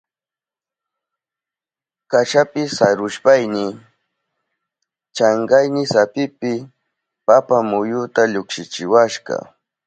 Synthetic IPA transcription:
kaʃapɪsaɾʊʃpajnɪ | t͡ʃaɴɢɑjnɪsapɪpɪ | papamʊjʊt̪aʎʊkʃɪt͡ʃɪwaʃɢɑ̰

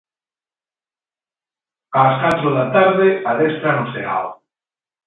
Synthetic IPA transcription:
aːskat̪ɾoðat̪aɾðeaðest̪ɾanosea̰l

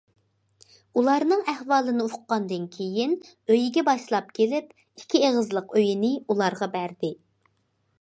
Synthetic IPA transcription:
ulˠɑɾnɨŋæhwɑːlˠɨnɨuqqɑnd̪ɨnkʲʰejin | øjiɡʲɛbɑʃlˠɑpkʲʰelɪp | ikʲʰːieʁəzlˠəqʰøjinɪulˠɑɾʁɑbæɾd̪ɪ

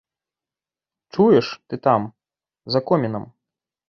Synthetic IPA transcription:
t͡ʂujɛʂt̪ɨt̪am | zɐkɔmʲɛnɐm

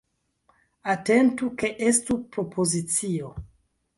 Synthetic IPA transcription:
ate̞ntuke̞ʔe̞stupɾo̞pʰozit͡sio̞

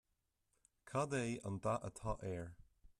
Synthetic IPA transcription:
kʰadeːʔə̃nd̪aʔə̰tʰɔʔɛːɹ

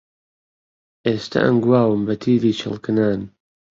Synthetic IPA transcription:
ʔeːst̪ʰɐ̰ʔɐ̰mɡuwaːwɨmbɐt̪ʰiːɾiːt͡ʃʰɨ̰lˠkɨnaːn

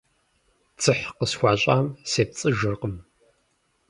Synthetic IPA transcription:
t͡sʰɨħqəsxʷaːɕʼaːmseːp̚t͡sʼɨʒɨrqəm

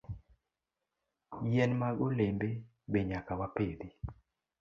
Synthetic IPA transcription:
jɛnmaɡolembe | beɲakawaped̪i

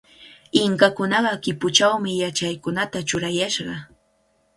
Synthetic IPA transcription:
ɪŋkakʊnɑɢɑkɪpʊt͡ʃawmɪjat͡ʃajkʊnat̪at͡ʃʊɾajaʃɢɑ

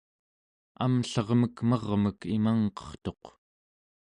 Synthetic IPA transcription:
a̰mɬʌʁməkmʌʁməkimaŋqʌ̥χt̪o̞q

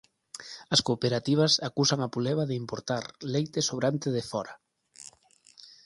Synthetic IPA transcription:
ɐskopeɾat̪iβ̞ɐsakusaŋapuleβaðɪimpoɾt̪aɾlejt̪ɪsoβɾant̪ɪðɪfɔɾɐ

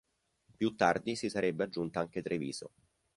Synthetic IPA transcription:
pjut̪ːard̪isisaɾebːead͡ʒːunt̪aaŋk̟et̪ɾevḭːzo̰

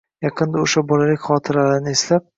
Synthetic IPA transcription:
jɑqʰɨnd̪aoʃabɒlalɪkʲχɒt̪ʰɪɾalaɾɪnɪeslap̚

